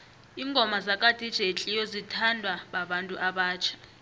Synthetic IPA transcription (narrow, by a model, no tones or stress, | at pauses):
iːŋɡʱɔmazakʼad̥ʱid̥ʒ̥ʱet͡ɬʼijɔzitʰandʱwaɓaɓantʼuʔaɓaːt͡ʃʰḁ